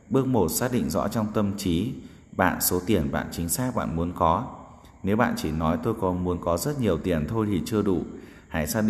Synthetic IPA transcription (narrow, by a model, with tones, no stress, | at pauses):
ɓɨ˦˥ək̚mo˨˩t̚saː˦˥k̚ɗḭ˧˨ŋ̟zɔ̰˧˥t͡ɕɔ˧wŋ͡mt̪ə˧mt͡ɕi˨˦ | ɓa̰ː˧˨nso˨˦t̪i˧˩ənɓa̰ː˧˨nt͡ɕï˨˦ŋ̟saː˦˥k̚ɓa̰ː˧˨nmu˨˦ənkɔ˨˦ | ne˨˦wɓa̰ː˧˨nt͡ɕi˧˩nɔ˨˦jt̪o˧jkɔ˨˩nmu˨˦ənkɔ˨˦zə˦˥t̚ɲi˨˩əwt̪i˨˩ənt̪ʰo˧jt̪ʰi˨˩t͡ɕɨ˧əɗṵ˧˩ | haː˧˩jsaː˦˥ɗi˧˨